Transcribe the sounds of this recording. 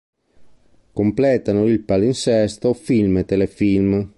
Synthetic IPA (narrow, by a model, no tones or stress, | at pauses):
komplɛːt̪anoilpalinsɛst̪ofilmet̪elefilm